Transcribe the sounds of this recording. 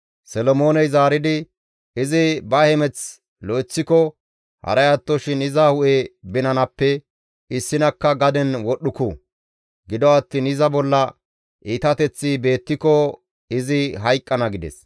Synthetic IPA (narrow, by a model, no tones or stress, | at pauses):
sɛlɔmo̞ːnɛjzaːɾɪd̪ɪ | ɪzɪbɐhɛmɛt͡s | lɔjt͡sːɪkɔ | hɐ̰ɾɐjɐt̪ːɔʃɪnɪzɐhʊʔebɪnɐnɐpːɛ | ɪsːɪnɐkːɐɡɐd̪ɛnwɔɗʊku | ɡɪd̪ɔɐt̪ːinɪzɐbɔlːɐ | ʔiːt̪ɐt̪ɛt͡sːibe̞ːt̪ːɪkɔ | ɪzɪɦɐjkʼːɐnɐɡɪd̪ɛ̰s